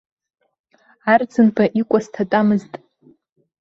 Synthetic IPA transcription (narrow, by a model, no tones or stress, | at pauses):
ard͡zɨnpʰaʔikʷʼastʰatʼamɨztʼ